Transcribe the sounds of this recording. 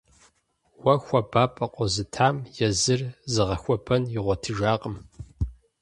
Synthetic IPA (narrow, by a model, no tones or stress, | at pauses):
wɐxʷɔbaːpʼɐqʷʼɔzɨtʰaːmjɛzɨrzɨʁɐxʷɔbʰɐnɪʁʷɔtʰɨʒaːqʼəm